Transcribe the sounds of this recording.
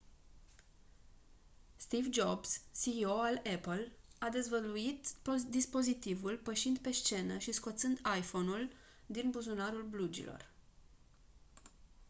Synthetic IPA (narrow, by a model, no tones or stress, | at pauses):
st̪ivd͡ʒo̞bsːio̞alepəlad̪e̞zvəluit̪d̪ispo̞zit̪ivulpəʃind̪pe̞ʃt͡ʃe̞nəʃisko̞t̪sɨnd̪ajfo̞nul | d̪inbuzunaɾulblud͡ʒḭlo̞̰r